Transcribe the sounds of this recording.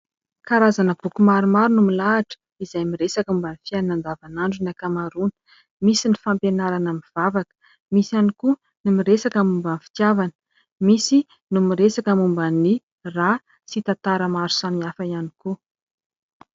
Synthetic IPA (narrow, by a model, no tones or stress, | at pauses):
kaɾazanəb̥ukumaɾumaɾunumilaːʈ͡ʂə̥ | izajmiɾesakumbanifiannand̪avanaɳɖ͡ʐunakamaɾunə̥ | misinifampenaɾanamiv̥avakə̥ | misaniku | nimiɾesakamumbənfi̥t̪javanə̥ | misi | numiɾesakəmumbani | ra | sit̪ant̪aɾəmaɾu̥saniafəianiku